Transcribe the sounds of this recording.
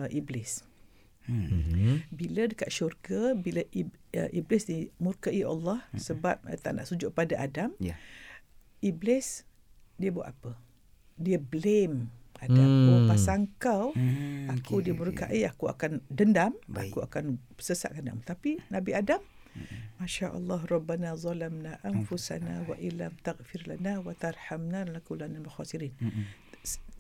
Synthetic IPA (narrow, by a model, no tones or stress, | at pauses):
ʔiblɪs | bilədəkaʔʃurɡəbiləʔiə̰ʔiblɪsnimurkaʔia̰lːɑhsəbap̚ə̰t̪aʔnaʔsud͡ʒʊʔk̚padaʔadam | iblɪs | diəbwa̰ʔ̪apə | diəblemadamupasaŋkawakudiəmuɾukaʔiakua̰kandəndama̰kkua̰kan | səsaʔɡanda̰mt̪apinãbiadam | mãʃaʔɑ̰lˤːɑɦrˤɑbːanazˤɑlamnaʔanfusa̰na̰wa̰ʔɪlamt̪aɣfɪɾlanawat̪arˤħamnalakulanamaxasiɾiːn